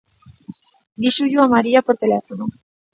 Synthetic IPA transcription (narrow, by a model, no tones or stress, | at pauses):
d̪iʃuʎuamaɾiapoɾt̪elefonu